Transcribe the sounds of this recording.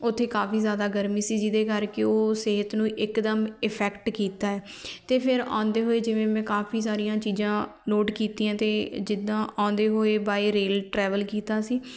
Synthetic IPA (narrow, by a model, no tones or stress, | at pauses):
ʊt̪ʰːeːkaːpiːzjaːd̪aːɡəɾmiːsiːd͡ʒɪd̪eːkəɾkeoːseɦət̪nũːʔɪkd̪əmɪpʰɛːkʈkiːt̪aːɛː | t̪eːpʰɪɾã̰ːnd̪eːɦoːeːd͡ʒɪʋẽːmɛ̃ːkaːpʰiːs̬aːɾijãːt͡ʃiːzãːloːʈkiːt̪ĩːãːt̪eːd͡ʒɪd̪ãːʔãːnd̪eːɦoːeːbaːiɾeːlʈɾɛːʋəlkiːt̪aːsiː